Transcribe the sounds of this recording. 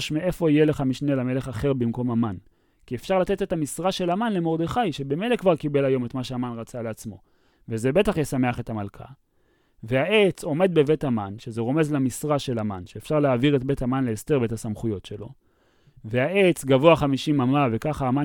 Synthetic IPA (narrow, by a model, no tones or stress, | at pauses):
ʃmee̞fo̞ijeleχamiʃnelame̞leχaχe̞ʁbimko̞maman | kiefʃaʁlat̪e̞tet̪amisʁaʃe̞lamanle̞mo̞ʁd̪e̞χajʃebemelekvaʁkibe̞lajo̞metmaʃeamanʁat͡saleat͡smo̞̰ | vezebe̞taχjesame̞aχe̞tamalkʰa̰ | veaʔe̞t͡so̞me̞d̪̚be̞ve̞tamanʃezeʁo̞me̞zlamisʁaʃe̞lama̰nʃeefʃaʁleaːviʁet̚be̞thamanleːst̪eʁbetasamχujo̞tʃe̞lo̞̰ | veaʔe̞t͡sɡavoaχamiʃimamave̞kaχaːma